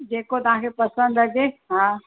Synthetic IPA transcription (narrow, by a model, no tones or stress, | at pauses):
d͡ʑeːkot̪ɐʋ̤ãkʰepɐsə̃nd̪ɦɐd͡ʑeɦãː